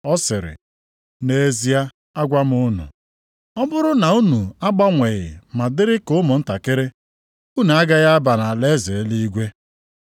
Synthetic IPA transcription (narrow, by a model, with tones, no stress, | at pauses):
ɔ˦sɪ˨ɾɪ̰˨ | ne˦e˦zi˦a˦ | a˦ɡʷa˦m˦ʊ˦nṵ˨ | ɔ˦bʊ˦ɾʊ˦na˨u˦nu˨a˦ɡ͡ba˦ŋʷe˨ɣɪ̰˨ma˨dɪ˦ɾɪ˦kʊ˦mʊ˨n̩˦ta˨ke˦ɾe˦ | u˦n˨a˦ɡa˦ɣa˦ba˨na˨le˦ze˨˦li˦i˦ɡʷe˦